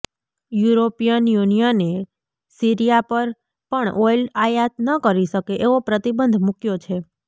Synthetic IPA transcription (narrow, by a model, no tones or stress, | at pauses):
juɾopijənjunijəne | siɾijapəɾ | pəɳɔjlajat̪nəkəɾiʃəkeʔeʋopɾət̪ibənd̪ʱmukjot͡ʃʰe